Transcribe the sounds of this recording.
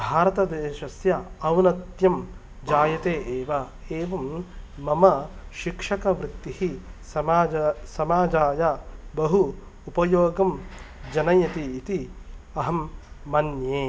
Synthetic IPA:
bʱaːɾɐt̪ɐd̪eːʃɐsjɐɐwnɐt̪jɐm | d͡ʒaːjɐt̪eːʔeːʋɐ | eːʋɐmːɐmɐʃikʂɐkɐʋɾɪt̪ːihi | ɐsɐmaːd͡ʒaːjɐbɐɦu | upɐjoːɡɐmd͡ʒɐnɐjɐt̪iːt̪iɐɦɐmːɐnjeː

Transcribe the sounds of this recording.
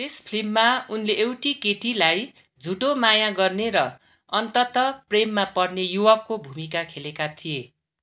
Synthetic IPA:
t̪espʰlimːaunleʔːwʈikeʈilaj | d͡zʱuʈomajaɡʌrneɾʌ | ʌnt̪ʌt̪ʌpremːapʌrnejuwʌkːobʱumikakʰelekat̪ʰije

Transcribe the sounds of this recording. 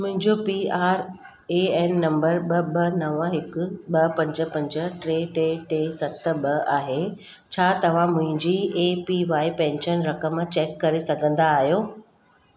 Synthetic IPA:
mʊ̃ɦɪ̃ɲd͡ʑopiːaːɾ | eːɛːnːɐ̃mbəɾɓɐɓɐnɐʋəɦɪkʊɓɐpɐ̃ɲd͡ʑə̆pɐ̃ɲd͡ʑə̆ʈɾeːʈeːʈeːsɐt̪ʰɓɐaːɦe | t͡ɕʰaːt̪ɐʋ̤ãmʊ̃ɦɪ̃ɲd͡ʑiːeːpiʋaːipɛ̃ːnʃənɾɐkəmt͡ɕɛːkːɐɾesɐɡʱə̃nd̪aːɦijoː

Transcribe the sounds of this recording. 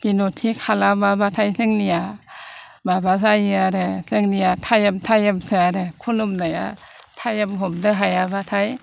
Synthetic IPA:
binotʰːikʰalamabatʰajseŋnia | babas̬ajiaɾeseŋniatʰajamtʰajamsɯaɾekʰulumnaja̰tʰajamɦomdɯɦajabatʰaj

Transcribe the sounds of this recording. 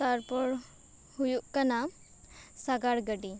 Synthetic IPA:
aɾpɔɽ | hujuʔkana | saɡaɽɡəɖi

